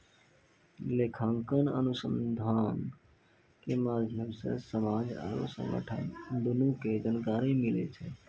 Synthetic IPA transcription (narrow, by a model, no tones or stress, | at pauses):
lekʰãŋkənə̰nʊsə̃nd̪ʱaːn | kemaːd̪ʱjəmsḛsəmaːd͡ʒa̰ɾo̰sə̰̃ŋɡə̰ʈʰə̰nd̪ʊnuked͡ʒankaːɾimilḛt͡ʃʰe